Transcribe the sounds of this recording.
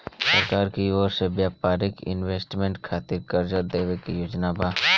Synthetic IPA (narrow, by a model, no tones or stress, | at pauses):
səɾkaːɾkioːɾsebjaːpaːɾɪkɪ̰nʋeːsʈmẽɳʈkʰaːt̪ɪɾkəɾd͡ʒəɾd̪eːʋekijoːd͡ʒnabaː